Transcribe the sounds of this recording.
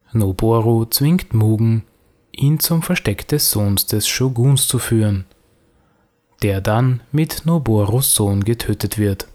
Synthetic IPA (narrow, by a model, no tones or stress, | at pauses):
noboɐʁot͡sv̥ɪŋktmuːɡŋ̩ | ʔiːnt͡sʊmfɛɐʃtɛkd̥ɛsz̥oːnsd̥ɛsʃoɡuːnst͡sufyːʁən | d̥eːɐdanmɪtnoboʁosz̥oːnɡətʰøːtətv̥ɪɐt